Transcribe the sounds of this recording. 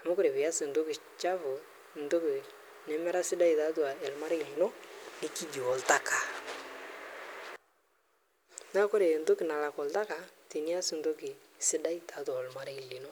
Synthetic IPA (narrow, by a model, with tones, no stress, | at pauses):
a˨ma˦kʊ˦ɾe˨βɪ˨ja˦sɪ˨ndo˦kɪ˨ | t͡ʃa˦fʊ˨ | n̩˨do˦kɪ˨ | nɛ˦mɛ˦ɾa˦sɪ˦da˦i˨ta˦tu˨a˨ɛ˨lma˦ɾɛ˦kɪ˨lɪ˨no˦nɪ˦ki˦d͡ʒi˨ɔ˨lta˦kʰa˨ | na˦kʊ˦ɾe˨ndo˦kɪ˨na˨la˨kɔ˨lta˦ka˨ti˨ni˦a˦sɪ˨n˨do˦kɪ˨ | sɪ˦da˦i˦ta˨˦tu˨a˨lma˦ɾe˦kɪ˨li˨no˦